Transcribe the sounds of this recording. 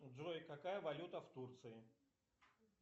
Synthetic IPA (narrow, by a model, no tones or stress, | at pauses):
d̪ojkɐkajəvɐlʲut̪əft̪urt̪sɨɪ